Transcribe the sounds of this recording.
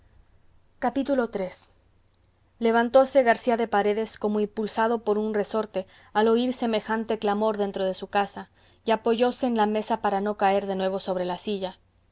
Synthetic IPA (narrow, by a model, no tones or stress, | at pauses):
kapit̪ulo̞t̪ɾe̞s | le̞β̞ant̪o̞se̞ɣaɾsiaðe̞paɾe̞ðe̞sko̞mo̞impulsaðo̞po̞ɾunre̞so̞ɾt̪e̞ | alo̞iɾse̞me̞xant̪e̞klamo̞ɾðe̞nt̪ɾo̞ð̞e̞sukasa | iapo̞ʝo̞se̞ːnlame̞sapaɾano̞kae̞ɾðe̞nwe̞β̞o̞so̞βɾe̞lasiʝa